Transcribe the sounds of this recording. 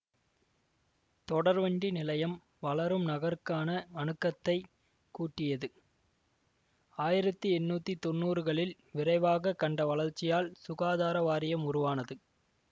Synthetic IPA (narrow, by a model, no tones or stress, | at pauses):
t̪ɔɽɐɾʋɐɳɖinɪlɐjɐm | ʋɐlɐɾɯmnɐɣɐɾɯkːaːnɐɐnɯkːɐt̪ːɐɪ | kuːʈːɪjɐðɯ | aːjɪɾɐt̪ːɯɛnːuːt̪ːit̪ɔnːuːɾɯɣɐɭɪl | ʋɪɾɐɪʋaːɣɐkːɐɳɖɐʋɐlɐɾt͡ʃːɪjaːlsʊɣaːðaːɾɐʋaːɾɪjɐmʊɾʊʋaːnɐðɯ